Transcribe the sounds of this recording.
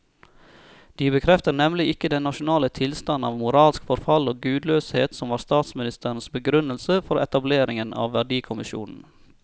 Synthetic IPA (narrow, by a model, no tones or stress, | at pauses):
d̪̥iːbəkʰɾɛft̪ənɛmlɪɪkəd̪ɛnːɑʃʊnɑːlət̪ʰɪlst̪ɑnːɑ̰ːʋmʊɾɑːlskfɔɾfɑloːɡʉːd̪løːsheːt̪sɔmʋɑːɾst̪ɑːt̪smɪnɪst̪ʰəɾn̩sbəɡɾʉnəlsəfɔɾɛt̪ɑbleːɾɪŋənʔɑ̰ːʋʋæɖiːkʰʊmɪʃṵːnn̩